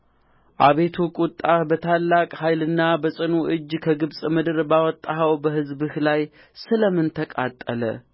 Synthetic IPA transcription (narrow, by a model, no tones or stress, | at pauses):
ʔaβe̞t̪ʰukʼut̪ʼːabət̪ʰalːakʼhajlɨnːabəsʼɨnuʔɨd͡ʒːkʰəɡɨβsʼmɨd̪ɨɾbawɔt̪ʼːaɦəwbəhɨzbɨhlaj | sɨləmɨnt̪ʰəkʼat̪ʼːələ̰